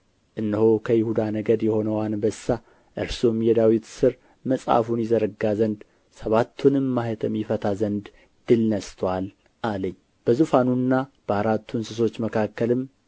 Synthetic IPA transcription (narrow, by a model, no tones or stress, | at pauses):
ʔɨnːəhokʰəjɪhud̪anəɡəd̪jɛho̞nəwanbəsːa | ʔɨɾsumjɛd̪awit̪sɨɾ | məsʼa̰funjɛzəɾəɡazənd̪ | səβat̪ʰːunɨmːahɛt̪ʰəmjɪfət̪ʰazənd̪ | d̪̥ɨlnəst̪ʰwal | ʔaləɲː | b̥əzufanunːab̥əaɾat̪ʰːunsɨso̞t͡ʃːməkʰakːəlɨm